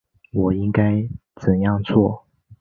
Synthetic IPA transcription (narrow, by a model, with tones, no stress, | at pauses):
wɔ˨˩i˥ŋka˥ɪt͡sə˨˩njɑ˥˧ŋt͡sʰwɔ˥˩